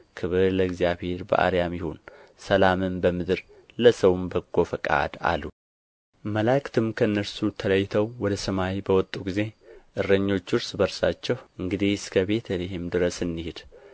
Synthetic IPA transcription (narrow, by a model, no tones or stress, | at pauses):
kʰɨβɨɾləɡzjaβhe̞ɾbə̰ʔa̰ɾijamjɪhonsəlamɨmbəmɨd̪ɨɾ | ləsəwɨmbəɡo̞fəkʼa̰d̪a̰lːu | məlakʰt̪ʰɨmkʰəɨnːəɾsut̪ʰələjːt̪ʰəwwɔd̪əsəmajibəwɔt̪ʼːuɡize̞ʔɨrːəɲːo̞t͡ʃːɨɾsbəɾsat͡ʃːɛhɨŋɡɨd̪ihskʰəβe̞t̪ʰəlehɪmd̪ɨɾəsɨnːihɪd̪̥